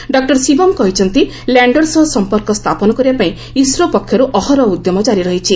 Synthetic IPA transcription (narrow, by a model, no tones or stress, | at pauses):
ɖɔk̚ʈɔɾsibɔmkɔɦit͡ʃʰɔnt̪i | laɳɖɔɾsɔɦsɔmpɔɾkɔst̪ʰapɔnɔkɔɾibapaĩ | isɾɔpɔkʰːjɔɾuʔɔɦɔɾɔud̪jɔmɔd͡ʒaɾiɾɔɦit͡ʃʰi